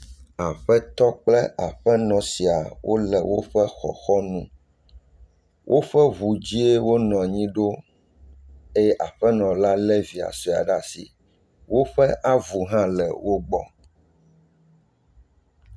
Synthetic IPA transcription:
a˨ɸɛ˦t̪ɔ˦k͡plɛ˦ʔa˨ɸɛ˦nɔ̃˨si˨a˨wʔo̰˦lɛ˨wʔo˦ɸɛ˦xɔ̰˨xɔ˦nṵ̃˦ | wʔo˦ɸɛ˦βu˨d͡ʑi˦e˦wo˦nɔ̃˨ɲĩ˦ɖo˦ | e˦jʔa˨ɸɛ˦nɔ̃˨la˦lɛ˦vi˨a̰˨sɔ˦˨a̰˨ɖa˨sḭ˨ | wo˦ɸɛ˦ʔa˦vu˨ɦã˦lɛ̰˨wo˦ɡ͡bɔ˦

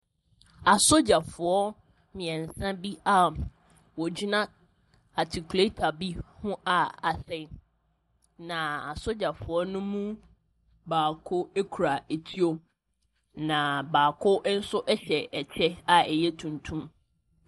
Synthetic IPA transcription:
a˨so˦d͡ʑa˨fʊ˨ɔ˦ | mɪ̃˨ɛ̃˨n̩˨sã˦bi˦a˨ | wɔ˨d͡ʑi˦nã˦ | a˨tʰi˨kʰu˨le˦tʰa˨bi˦hʊ̃˦ʔa˨a˨sɛ˦ | nã˨a˨so˦d͡ʑa˨fʊ˨ɔ˦nʊ̃˦mũ˦ | baː˨kʰʊ˦e˦kʰu˨ɾa˨e˨tʰi˦o˦ | nã˨baː˨kʰʊ˦n̩˦sʊ˦ʔɛ˦ɕɛ˨ɛ˨t͡ɕʰɛ˦a˨ɛ˨jɛ˦tʰũ˨ntʰũ˦m

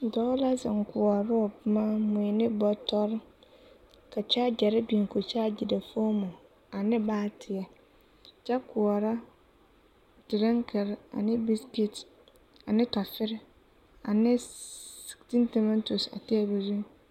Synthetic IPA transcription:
dɔː˦la˦zɪ˨ŋ˨kʊ˨ɔ˨ɾʊ˦ʊ˨pma˦mʊ˨i˨nɪ˦bɔ˦tɔ˦ɾ | ka˨t͡ʃa˦d͡ʒɛ˨ɾɪ˦bi˨ŋ˨ko˨t͡ʃaː˦d͡ʒi˨da˨fo˦mʊ˨ | a˨nɪ˦baː˦tʰɪ˨ɛ˨ | t͡ʃa˦kʊ˨ɔ˨ɾa˦ | dɪ˨ɾɛ˦ŋkʰɛ˨ɾa̰˨nɪ˦bi˦skɪ˦t | a˨nɪ˦tɔ˨fɪ˦ɾɪ˦ | a˨nɪ˦sti˦ntɛ˨mɛ˦n˦to˨sa̰˨tɛ˦ɛ˦bu˨zu˦

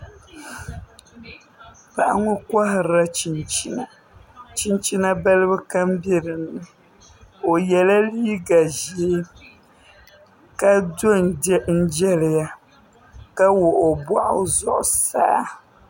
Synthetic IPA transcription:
pa˨ʔa̰˨ŋʊ˦kwa˦ɦɪ˨ɾa˦t͡ʃi˨nt͡ʃi˦na˨ | t͡ʃi˦nt͡ʃi˦na˦ba˦lɨ˦bɨ˦ka˦mbɛ˦ɾɨ˨nɨ˨ | o˨jɛ˨la˦liː˦ɡa˨ʒe˨˦ | ka˦do˦n˦n̩˦d͡ʒɛ˦lɪ˨ja˦ | ka˦wo˨ʔo˨ba˦ʔʊ̰˦zɔ̰˨ʔʊ̰˨sa̰ː˦

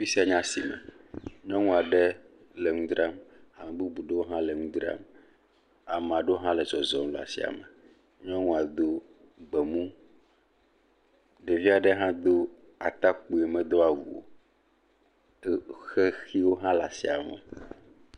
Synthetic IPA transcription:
fi˦si˦a˨ɲã˦si˨mɛ̰̃˨ɲ˦ɔ̃˦ŋũ˦a˨ɖɛ˦ | lɛ˨ŋũ˦d̪ɾa˦ma˨mɛ˨bu˦bu˨ɖe˦wo˦ɦã˦lɛ˨ŋũ˦d̪ɾa̰˦m | a˨mɛ̃˨a˨ɖɛ˦wo˦ɦã˦lɛ˨zɔ˨zɔ˨m˨la̰˨sḭ˦a̰˨mɛ˨ | ɲ˦ɔ̃˦ŋũ˦a˨d̪o˦ | ɡ͡bɛ˨mũ˦ | ɖɛ˨vi˦a˨ɖɛ˦ɦã˦d̪o˦ | a̰˨t̪a˦k͡pu˨e˨mɛ̃˦d̪o˦a˨wṵ˨o̰˨˦ | xe˦xi˦wo˦ɦã˦la̰˨sḭ˦a˨mɛ̰˨

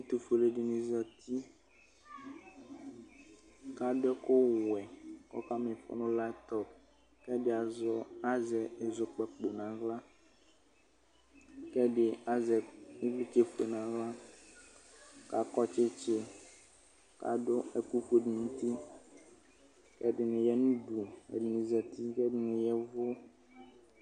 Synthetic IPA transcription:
e˦t̪u˨fo˨le˦ɖi˨nĩ˦zɔ˦t̪i˦ | ka˦ɖɛ˦ko˦wɛ˨kɔ̰˦ka˦mẽ˨fɔ̰˦nũ˦la˦t̪ɔ˨ | kɛ˦ɖe˦a˨zɔ˦a˦zɛ˨e˨zo˨k͡pɛ˦k͡po˨nã˨ɣla˦ | kɛ˦ɖe˨a˦zɛ˨nĩ˦vli˦t͡ʃe˦ɸo˨nã˨ɣla˦ | ka˨kɔ˦t͡ʃe˦t͡ʃe˦ | ka̰˨ɖo˦e˨ku˦ɸo˦ɖi˨ŋũ˦t̪i˦ | kɛ˦dɪ˨nẽ˨jɛ˦nũ˦ɖu˨ḛ˨dɪ˨nĩ˨zɛ˨t̪i˦kɛ˦dɪ˦nẽ˨jɛ˦vo˦

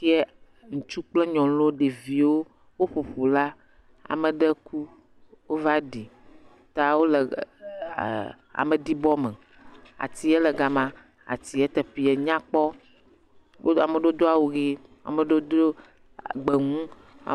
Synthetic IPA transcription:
i˦ɛ˦ | ŋũ˨t͡ʃu˦k͡plɛ˦ɲɔ̃˨lo˦ɖe˨vi˨wo˦ | wo˦ɸo˨ɸo˨la˦ | a̰˨mə˨ɖə˦ku˦ | wo˦va˦ɖi˨ | t̪a˦wo˦lə˨ | a̰˨mə˨di˦bɔ˦mə˨ | a̰˨t̪i˨ɛ˦lə˨ɡa˨mã˨ | a̰˨t̪i˨ɛ˦t̪ə˨ɸi˦ɛ˨ɲã˦k͡pɔ˦ | o˦a˨mə˨ɖo˦d̪o˦a˨wo˨ɣe˦a̰˨mə˨ɖo˦d̪o˦˨ | ɡ͡be˨ŋũ˦ | a̰˨

